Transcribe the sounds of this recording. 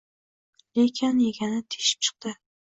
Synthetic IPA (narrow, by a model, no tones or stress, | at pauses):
lekʲʰɪnjeɡʲanɪt̪ʰe̥ʃɪ̥p̚t͡ʃʰɨ̥q̚t̪ɪ